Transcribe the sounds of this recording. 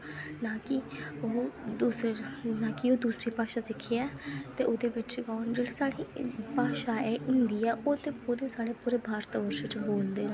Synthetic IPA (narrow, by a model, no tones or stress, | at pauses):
naːkɪoːd̪uːsɾenaːkɪoːd̪uːsɾiːpaːʃaːsɪkʰːeɛːt̪eːʔoːd̪eːʋɪt͡ʃɡaːnd͡ʒeːɽiːsaːɽiːpaːʃaːɛːʔʊnd̪iːɛːʔoːd̪eːpuːɾeːsaːɽeːpuːɾeːbʱaːɾt̪ʋəɾʃət͡ʃboːld̪eː